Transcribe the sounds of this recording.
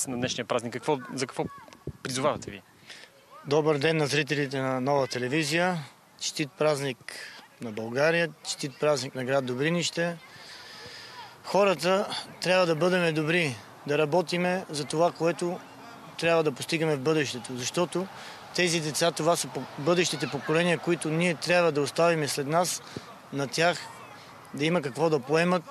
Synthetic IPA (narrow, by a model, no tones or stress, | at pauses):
nɐd̪nɛʃnijəpɾaznikːəkvɔzɐkɐkvɔpɾizʊvavɐt̪ɛvi | d̪ɔbəɾd̪ɛnːɐzɾit̪̬ɛlit̪̬ɛnɐnɔvət̪ɛlɛvizijə | t͡ʃt̪it̪̚pɾazniknɐbɐlˠɡaɾijət͡ʃt̪it̪̚pɾazniknɐɡɾad̪̚d̪obɾiniʃt̪ɛ | xɔɾət̪ət̪ɾʲabvəd̪ɐbɤd̪ɛmɛd̪obɾi | d̪ɐɾɐbɔt̪imɛzɐt̪ovakoɛt̪o | t̪ɾʲabvəd̪ɐpost̪iɡəmɛvbɤd̪ɛʃt̪ɛt̪ozɐʃt̪ɔt̪o | t̪ɛzid̪ɛt̪sat̪ovasəbɤd̪ɛʃt̪it̪ɛpokolɛniəkoit̪ʊniɛt̪ɾʲjabvəd̪ɐost̪avimɛslɛd̪nas | nɐt̪ʲjax | d̪ɐimɐkɐkvɔd̪ɐpoɛmət̪̚